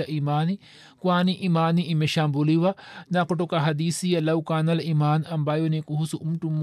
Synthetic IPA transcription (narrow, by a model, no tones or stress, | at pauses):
ɐʔimaːni | kuaːniʔimaːniʔimeʃaːmbuliʋanakoʈokaɦɐd̪iːsijɐlɐwkaːnɐlimaːnɐmbaːjonikuɦusuʔumʈumː